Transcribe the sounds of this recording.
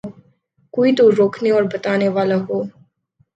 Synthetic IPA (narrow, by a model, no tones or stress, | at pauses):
koːit̪oɾoːkʰneɔːɾbɐt̪aːneʋaːlaɦoː